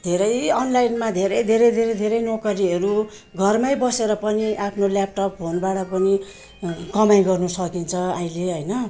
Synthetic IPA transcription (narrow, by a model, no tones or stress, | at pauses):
d̪ʱeɾʌjʌnlajnmad̪ʱeɾʌjd̪ʱeɾʌjd̪ʱeɾʌjd̪ʱeɾʌjnokʌɾiʌɾu | ɡʱʌrmajbʌseɾʌpʌniʔapʰnoljap̚ʈʌppʰonbaɽʌpʌni | kʌmaj̃ɡʌrnusʌkint͡sʰʌaĩleɦʌjnʌ